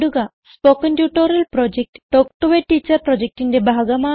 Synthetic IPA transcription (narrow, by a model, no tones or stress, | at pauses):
ɽuɡasspokɐnʈjuːʈoɾɐlpɾɔd͡ʑek̚ʈʈok̚ʈoʋeʈːit͡ɕɐɾpɾɔd͡ʑek̚ʈindebʱaɡɐma